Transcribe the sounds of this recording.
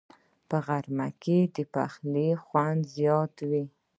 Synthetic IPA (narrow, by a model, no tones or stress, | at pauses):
pəɣaɾmaked̪əpa̰xlixwand̪zjɑt̪wi